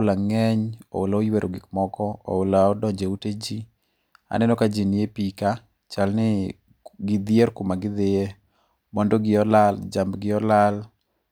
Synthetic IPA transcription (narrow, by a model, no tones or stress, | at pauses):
laŋɛɲɔ̰ʊlaojweɾoɡɪkmɔkɔɔ̰ʊlaɔdɔɲd͡ʒeuted͡ʒi | a̰nɛnɔkad͡ʒinɪjepika | t͡ʃalnɪ | ɡɪd̪ɪeɾkʊmaɡɪd̪eje | mɔndɔɡɪɔlald͡ʒambɡɪɔlal